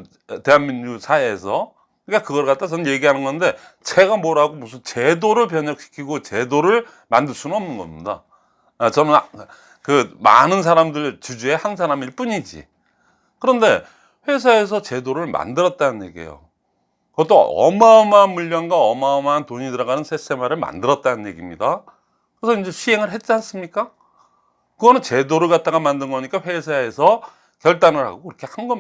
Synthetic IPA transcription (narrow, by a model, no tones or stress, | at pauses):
te̞ɦanmiɲːusʰaeːsʰʌ | ɯɲik͈akɯɡʌɭk͈at̚t͈ʰat͡ɕʌnɯje̞ɡiɦanɯnɡʌnde̞ | t͡ɕe̞ɡamʌɾaɡomusʰɯnt͡ɕe̞doɾɯɭp̬jʌɲʌk̚ɕʰi̥kʰiɡot͡ɕe̞doɾɯɭ | mandɯɭs͈ʰunɯnʌmnɯnɡʌ̰mɲida̰ | t͡ɕʌnɯn | kɯma̰nɯnsʰaɾamdɯɭt͡ɕud͡ʑue̞hans̬ʰaɾamiɭp͈uɲid͡ʑḭ | kɯɾʌnde̞ | ɸwe̞s̬ʰae̞s̬ʰʌt͡ɕe̞doɾɯɭma̰ndɯɾʌt̚t͈anɯnje̞ɡiḛjo̰ | kɯʌt͈oʌ̰mamanmuʎːʌnɡwaʌmaʌmaɦantoɲitɯɾʌɡanɯnsʰes͈e̞maɾɯɭma̰ndɯɾʌt̚t͈anɯnje̞̰ɡimɲida | kɯɾesʰʌind͡ʑe̞ɕʰie̞ŋɯɭɦe̞t̚t͡ɕ͈ians͈ɯmɲik͈a | kɯɡʌnɯnt͡ɕe̞doɾɯɭɡat̚t͈aɡamandɯnɡʌɲik͈aɸwe̞sʰae̞sʰʌ | kjʌɭt͈anɯɭha̰ɡoiɾʌkʰe̞hanɡʌ